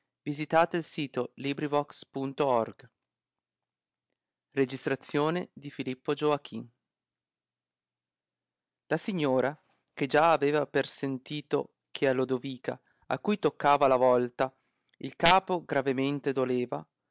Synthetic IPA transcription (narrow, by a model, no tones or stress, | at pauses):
vizit̪aːt̪eilsiːt̪olibɾivɔkspunt̪oɔrɡ | red͡ʒist̪ɾat̪sːjoːned̪ifilipːod͡ʒoak̟ʰin | lasiɲːoːɾa | ked͡ʒaːveːvapersent̪iːt̪o̰ | kʰealod̪oviːka̰ | a̰kːujt̪okːaːvalavɔlt̪a | ilkaːpoɡɾavement̪ed̪oleːva